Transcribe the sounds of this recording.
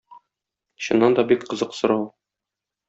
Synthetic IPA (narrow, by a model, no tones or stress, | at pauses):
ɕŏnːɑnd̪ɒbikqɤ̆zɤqsŏɾɑwˠ